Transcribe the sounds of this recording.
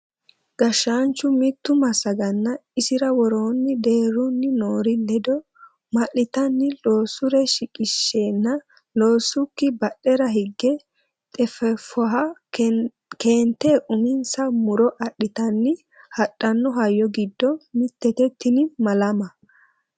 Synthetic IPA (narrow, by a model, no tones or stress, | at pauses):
ɡ̥ɐʃːaːnt͡ʃːʊmɪt̪ːʊmɐsɐɡɐnːɐɪsɪɾɐwɔɾo̞ːnːɪd̪e̞ːɾʊnːɪnoːɾɪlɛd̪ɔ | mɐʔːɪt̪ɐnːɪlo̞ːsʊɾɛʃɪkʼɪʃːeːnːɐ | loːsːʊkːɪbɐɗːɛɾɐɦɪɡːɛ | t̪ʼɛfɛfɔɦɐ | ke̞ːnt̪ːeːʔʊmɪnsɐmʊɾɔʔɐɗːɪt̪ɐnːɪ | hɐɗːɐnːɔɦɐjːɔɡɪd̪ːɔmɪt̪ːɛt̪ɛt̪ʰːɪnɪmɐlɐmɐ